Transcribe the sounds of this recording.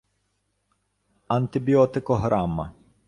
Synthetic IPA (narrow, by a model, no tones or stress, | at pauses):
ɐnt̪ɪbʲijɔt̪ɪkɔɦɾamːɐ̰